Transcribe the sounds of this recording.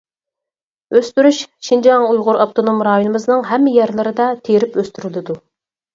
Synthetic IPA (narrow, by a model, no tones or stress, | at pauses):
øst̪yɾyʃʃind͡ʒɑŋujʁʊɾɑpt̪ʰonomɾɑjonɨmɨznɨŋɦɛmːɪjɛɾlˠɨɾɨd̪ɛt̪ʰeɾɪpøst̪yɾylɪd̪u